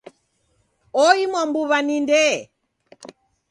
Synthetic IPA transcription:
ɔimwambuβanindɛ

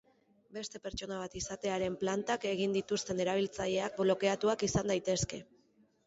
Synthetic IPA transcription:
be̞st̪e̞pe̞ɾt͡ʃo̞naβ̞at̪isat̪e̞aɾe̞mplant̪ake̞ɣ̞ind̪it̪ust̪e̞ne̞ɾaβ̞ilt͡saʎe̞ak̚blo̞ke̞at̪uakisand̪ajt̪e̞ske̞

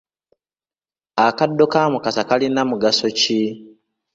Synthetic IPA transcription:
akadːo̞kamukasakalinamuɡaso̞ci

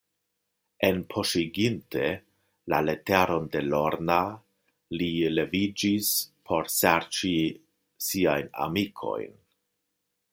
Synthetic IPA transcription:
e̞npʰo̞ʃiɡinte̞ | lale̞teɾo̞nde̞lo̞ɾna | lile̞vid͡ʒispʰo̞ɾseɾt͡ʃi | siajna̰mikʰo̞̰jn

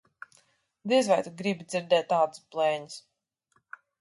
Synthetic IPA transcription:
d̪izvajt̪uɡɾibid̪zʲiɾd̪ɛːt̪ːaːd̪ɨsplˠɛːɲis

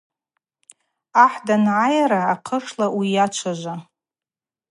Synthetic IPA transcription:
aħdanʕajaɾaːqʰəʂlawijat͡ʃʷʰaʒʷa

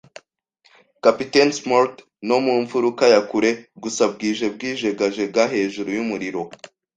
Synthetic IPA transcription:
kapitensmaɾt | no̞muːɱvuɾukajakuɾe̞ɡusab̚ɡiːʒe̞b̚ɡiːʒe̞ɡaʒe̞ɡaɦe̞ːʒuɾujumuɾiɾo̞

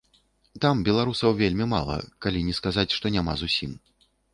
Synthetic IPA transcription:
t̪ambʲɛlˠaɾusɐwvʲelʲmʲima̰lˠɐ̰kalʲinʲɛskazat͡sʲʂt̪ɔnʲama̰zusʲim

